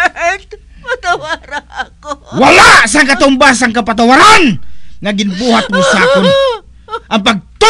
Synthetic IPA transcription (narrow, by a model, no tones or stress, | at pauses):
t̪awaɾ | walaʔs̬aŋkat̪ɔmbas̬aŋkapat̪̬awaɾanŋaɡinbuɦat̪̚musakun | ʔampaɡ̚t̪u